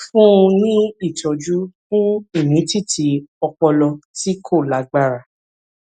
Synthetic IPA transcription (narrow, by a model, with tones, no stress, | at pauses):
fũ˦ũ˧nĩ˦i˦˨tɔ˨˧d͡ʒu˦fũ˦i˦˨nĩ˨˦ti˦˨tʰi˧ɔ˧k͡pɔ˧lɔ˧ti˦kʰo˦˨la˨˦ɡ͡ba˦˨ɾa˨